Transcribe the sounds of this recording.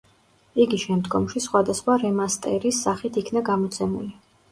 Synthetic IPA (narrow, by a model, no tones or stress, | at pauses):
iɡiʃɛmd̪ɡɔmʃisχwad̪asχwaɾɛmast̪ʼɛ̰ɾisːaχit̪ʰikʰnaɡamɔt̪sʰɛmṵli